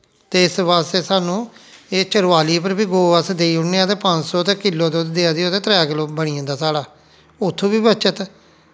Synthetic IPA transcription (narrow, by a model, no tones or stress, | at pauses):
t̪eːɪsʋaːst̪eːsaːnũːeːt͡ʃəɽaːliːpəɾbiːɡoːʋaːsd̪eːiːʊneːaːt̪eːpəɲd͡ʒsɔːt̪ẽːkɪlːoːd̪oːd̪eːaːd̪ioːt̪eːt̪ɾɛaːkɪloːbəɽiːãnd̪aːsaːɽaː | ʊt̪ʰːõːbiːbət͡ʃət̪